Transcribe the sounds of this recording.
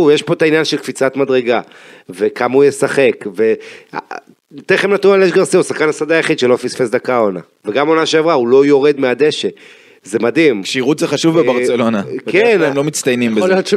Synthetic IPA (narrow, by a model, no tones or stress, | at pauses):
ujeʃpo̞tainjanʃe̞lkfit͡sat̪mad̪ʁeɡa | ve̞kamaujesaχe̞kve̞a̰ | t̪eχemnat̪nualeʃɡaʁseusaχkanasad̪ajaχid̪ʃelofisfesd̪akaona | veɡamo̞naʃeavʁaulo̞jo̞ʁe̞d̪mead̪e̞ʃe | ze̞mad̪imʃiʁut̪zeχaʃuvbebaʁselo̞nakenemlo̞mit͡st̪ajnimb